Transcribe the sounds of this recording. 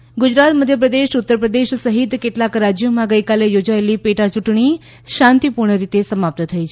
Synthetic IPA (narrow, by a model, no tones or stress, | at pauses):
ɡʊd͡ʒɾat̪məd̪ʱjəpɾəd̪eʃut̪ːəɾpɾəd̪eʃsəɦit̪keʈlakɾad͡ʒjomãɡəikalejod͡ʒaelipeʈat͡ʃuʈɳi | ʃãnt̪ipuɾɳəɾit̪esəmap̚t̪ət̪ʰəit͡ʃʰe